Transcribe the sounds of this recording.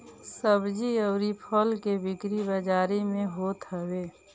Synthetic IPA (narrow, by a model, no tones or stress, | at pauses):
səbd͡ʒiəʊɾipʰəlkebɪkɾibəd͡ʒaːɾimẽɦoːt̪ɦəbeː